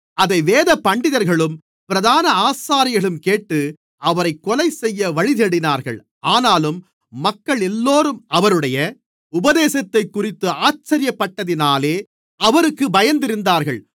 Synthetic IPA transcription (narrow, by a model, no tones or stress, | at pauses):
ɐðɐɪʋeːðɐpːɐɳɖɪðɐɾɣɐɭɯm | pɪɾɐðaːnɐaːsaːɾɪɣɐɭɯmkeːʈːɯ | ʔɐʋɐɾɐɪkːɔlɐɪsɛjːɐʋɐɻɪðɛɽɪnaːɾɣɐ̰ɭ | aːnaːlɯmː | ɐkːɐɭɛlːoːɾɯmɐʋɐɾɯɽɐjɐ | ʊbɐðeːsɐt̪ːɐɪkːʊrɪt̪ːɯaːt͡ʃːɐɾɪjɐpːɐʈːɐðɪnaːleː | ɐʋɐɾɯkːɯbɐjɐnd̪ɪɾɯnd̪aːɾɣɐɭ